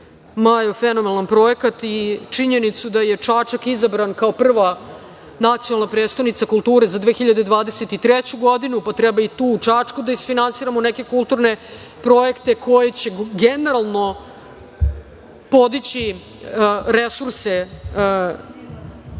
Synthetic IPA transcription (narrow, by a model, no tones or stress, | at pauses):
majofenomelanpɾo̞jekat̪it͡ʂiɲenit̪sud̪aje̞t͡ʂaːt͡ʃakizabɾankaopr̩ʋa | nat̪sijonalˠnapɾed̪st̪aʋnit̪sakulˠt̪uːɾezad̪ʋeːxiʎad̪ed̪vʋaːd̪eset̪it̪ɾɛt͡ɕuɡo̞d̪inupat̪ɾɛbait̪uːt͡ʂaːt͡ʂkud̪aisfinansiːɾamonɛke̞kulˠt̪uɾne̞ | pɾo̞je̞kt̪e̞kʰo̞jet͡ɕe̞ɡeneɾalˠno̞ | po̞d̪it͡ɕi | ɾesuɾse